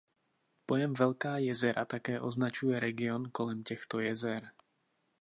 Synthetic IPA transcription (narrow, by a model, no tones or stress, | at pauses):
pojɛmvɛlkaːjɛzɛɾat̪akɛːʔoznat͡ʃujɛɾɛɡionkolɛmcɛxt̪ojɛzɛɾ